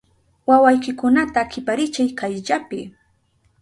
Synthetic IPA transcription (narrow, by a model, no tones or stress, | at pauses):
wawajkɪkʊnat̪aːkɪpaɾɪt͡ʃajkajʎapɪ